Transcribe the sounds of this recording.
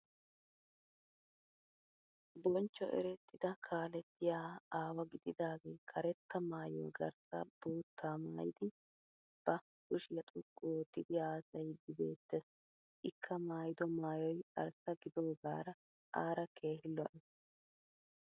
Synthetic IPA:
bɔnt͡ʃːɔ̰ʔɛ̰ɾɛt̪ːɪd̪ɐkʰaːlɛt̪ʰːɪjaːaːwɐɡɪd̪ɪd̪aːɡeːkʰɐɾɛt̪ːɐmaːjo̰ːɡɐ̰ɾsɐb̥oːt̪ʰːaːmaːjɪd̪ɪ | b̥ɐ | kʊʃɪjɐt̪ʼʊkʼːot̪ːɪd̪ɪaːsɐjd̪ɪbe̞ːt̪ːes | ʔɪkʰːɐmaːjɪd̪ɔmaːjɔjɐ̰ɾsɐɡɪd̪o̞ːɡaːɾɐ | ʔaːɾɐkʰe̞ːhɪlːɔʔɪ

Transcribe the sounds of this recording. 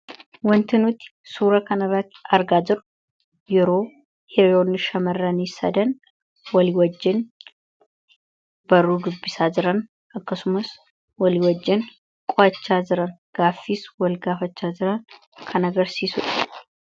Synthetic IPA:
wɔnt̪ʰɨnut̪suɾɐkʰɐnɐɾat̪aɾɡazɨɾ | jɪɾo | heɾonɨʃɐmərːanjɪsɐ̰d̪ən | wɔliwɔd͡ʒːɪn | bəɾuɡɨbːisazɨɾən | akːəsmus | wɔliwɔd͡ʒːɪn | kʼat͡ʃːazɨɾənɡ̥afːiswɔlɡafət͡ʃːazɨɾən | kʰənəɡəɾsisut̪ʼ

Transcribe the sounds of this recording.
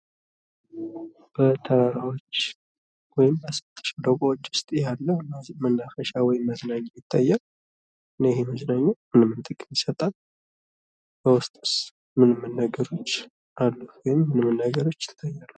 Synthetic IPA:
b̥ət̪ʰəɾaɾawot͡ʃː | wɔjɪmbasət̪ʰʼːə̥ʃd̪əɡʼoot͡ʃːwʊ̥st̪ʼjalːəmənːafəʃawɔjɪmːəznaɲːajɪt̪ʰʼːajːal | ɨnːəjɪheməznaɲːamɨnɨmːɨnt̪ʼɨkʼɨnjisət̪ʼal | b̥əwʊst̪ʼɨs | mɨnɨmːɨnːaɡəɾo̞t͡ʃː | ʔalːəwɔjɪmːɨnɨmːɨnːaɡəɾo̞t͡ʃːɪ̥t̪ʰʼːajːalːə

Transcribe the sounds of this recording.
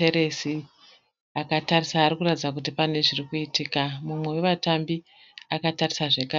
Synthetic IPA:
eɾesi | akatarisaːɾikuratid͡zak̬ut̬ipane̞ʐirikuitiːkamumwe̞we̞ʋatambi | akatarisaʐe̞ka

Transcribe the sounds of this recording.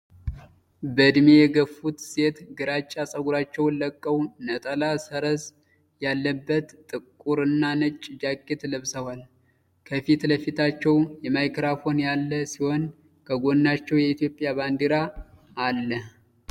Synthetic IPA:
bəd̪mejɛɡəfːut̪se̞t̪ɡɨɾat͡ʃʼːasʼəɡuɾat͡ʃːɛwləkʼːəwnət̪ʼəlasəɾəz | jalːəbːət̪t̪ʼːɨkʼːuɾɨnːanɨt͡ʃʼd͡ʒakʼːet̪ləβsəwal | kʰəfit̪ləfit̪ʰat͡ʃːɛwjɛmajkɾafo̞njalːəsiho̞n | kʰəɡo̞nːat͡ʃːɛwjɛit̪jo̞pʼjaband̪iɾaː | lːə

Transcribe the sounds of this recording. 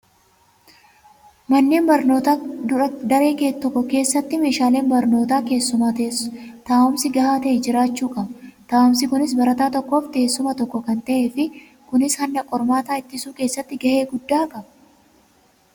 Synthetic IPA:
mɐnːeːnbɐɾno̞ːt̪aːd̪ʊɾɐd̪ɐɾe̞ːket̪ːɔkːɔke̞ːsːɐt̪ːɪme̞ːʃaːle̞ːnbɐɾno̞ːt̪aːke̞ːsːʊmaːt̪ɐst̪aːʔʊmsɪɡɐhaːt̪ɐʔɛd͡ʒɪɾaːt͡ʃːuːkʼɐbɐt̪aːɐmsɪkʊnɪs̬bɐɾɐt̪aːt̪ɔkːo̞ːft̪eeːsːʊmɐt̪ɔkːɔkɐnt̪ɐʔeːfɪ | kʊnɪshɐnd̪ɐkʼːɔɾmaːt̪aːɪt̪ːɪsuːke̞ːsːɐt̪ːɪɡɐʔe̞ːɡʊd̪ːaːkʼɐbɐ̥

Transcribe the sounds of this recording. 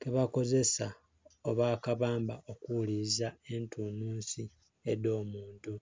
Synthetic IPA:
keβako̞ze̞sa | oβaːkaβaːmbaʔokulizae̞ntuːnuːnsi | edo̞ːmuːntu

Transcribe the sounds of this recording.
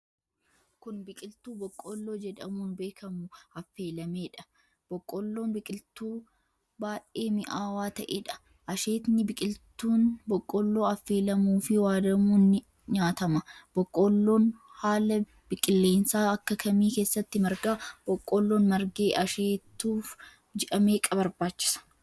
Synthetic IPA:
kʊnbɪkʼɪlt̪uːbɔkʼːoːlːo̞ːd͡ʒɛᶑɐmuːnbe̞ːkʰɐmʊɐfːe̞ːlɐme̞ːᶑɐ̥ | b̥ɔkʼːolːo̞ːnbɪkʼɪlt̪uː | baːʔe̞ːmɪʔaːwaːt̪ɐʔeːᶑɐ̥ | ʔɐʃeːt̪nɪbɪkʼɪlt̪ːuːnbɔkʼːɔlːo̞ːɐfːe̞ːlɐmuːfɪwaːd̪ɐmuːnːɪ | ɲaːt̪ɐmɐb̥ɔkʼːoːlːo̞ːnhaːlɐ | b̥ɪkʼɪlːe̞ːnsaːɐkːɐkʰɐmiːke̞ːsːɐt̪ːɪmɐɾɡaːb̥ɔkʼːoːlːoːnmɐɾɡe̞ːʔɐʃeːt̪ːuːf | d͡ʒɛʔɐme̞ːkʼɐbɐɾbaːt͡ʃːɪ̥sɐ̥

